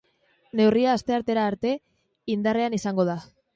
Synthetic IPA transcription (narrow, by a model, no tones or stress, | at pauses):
ne̞wriaːst̪e̞aɾt̪e̞ɾaːɾt̪e̞ | ind̪are̞anisaŋɡo̞ð̞a